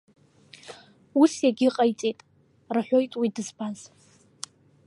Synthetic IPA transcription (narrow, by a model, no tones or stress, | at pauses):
usjaɡʲɪqʼajt͡sʼejtʼ | rħʷᶣojtʼwidɨzbʰaz